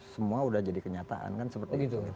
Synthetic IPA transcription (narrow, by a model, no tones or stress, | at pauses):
səmuaudahd͡ʒadikəɲat̪a̰ʔa̰nkansəpərt̪əɡit̪u